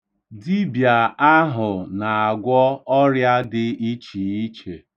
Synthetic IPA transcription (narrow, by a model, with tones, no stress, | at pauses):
di˦bja˨a˦ɦʊ˨na˨a˨ɡʷɔ˦ɔ˦ɾja˦dɪ˦i˦t͡ʃi˨i˦t͡ʃe˨